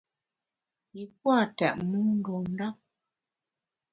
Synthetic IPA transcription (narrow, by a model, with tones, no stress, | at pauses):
i˨p̚wa˦˨tɛ˨ʔmu˦n̩˦do˨n˦da˦k̚